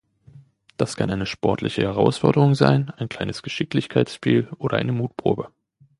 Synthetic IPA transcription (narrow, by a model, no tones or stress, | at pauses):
d̥askʰanʔaɪnəʃpɔɐtʰlɪ̰çəhɛʁaʊsfɔɐdəʁʊŋza̰ɪnaɪnkʰl̥aɪnəsɡ̥əʃɪk̚tlɪçkʰaɪt͡ssʃpḭːlʔoːɾɐʔaɪnəmuːtpʁ̥o̰ːbə